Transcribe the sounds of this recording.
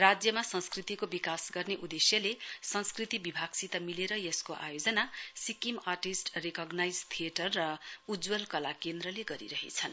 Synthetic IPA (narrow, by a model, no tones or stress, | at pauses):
rad͡zjʌmasʌnskrit̪ikobikasɡʌrneʔud̪esjʌlesʌ̃nskrit̪ibibʱaɡsit̪amileɾʌjʌskoʔa̰jod͡zʌnasikimarʈisʈrekʌɡnajd͡zt̪ʰijeʈʌrːʌud͡zwʌlkʌlakend̪rʌleɡʌɾḭɾʌɦḛt͡sʰʌn